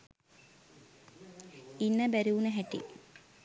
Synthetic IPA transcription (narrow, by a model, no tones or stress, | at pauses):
inːəbæɾuunəɦæʈḭ